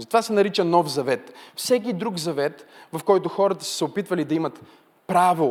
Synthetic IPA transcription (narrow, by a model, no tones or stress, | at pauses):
zɐt̪ovasɛnɐɾit͡ʃɐnɔfzɐvɛt̪fsɛk̬id̪ɾukzɐvɛt̪vɐfkɔjt̪ʊxɔɾɐt̪ə̥sə̥sɛopit̪vɐlid̪ɐimɐt̪ | pɾavi